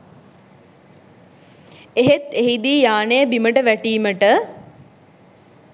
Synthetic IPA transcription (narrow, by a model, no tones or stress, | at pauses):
eɦet̪eɦid̪iːjaːnəjəbiməʈəʋæʈiːməʈə